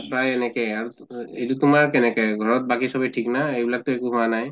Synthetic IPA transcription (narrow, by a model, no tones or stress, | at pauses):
pɹajɛnɛkɛjaɹu | ejtutʊmaɹkɛnɛkɛjɡʱɔɹɔt̚bakisɔbɛtʰiknaejbilak̚tʊɛkuɦʊwanaj